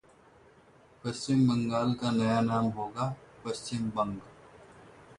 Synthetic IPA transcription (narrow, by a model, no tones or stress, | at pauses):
pɐst͡ʃɪmbəŋɡaːlkanɐjanaːmɦoːɡaːpɐst͡ʃɪmbɐ̃ŋɡ